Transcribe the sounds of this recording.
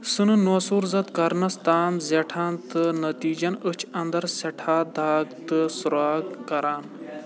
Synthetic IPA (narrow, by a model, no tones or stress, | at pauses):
sɨnɨnoːsuɾzɐt̪kɐɾnɐst̪aːnzeʈʰaːnt̪ɨnɐt̪iːd͡ʒɐnət͡ʃʰɐnd̪ɐɾseʈʰaːd̪aːɡt̪ɨsuɾaːɡkɐɾaːn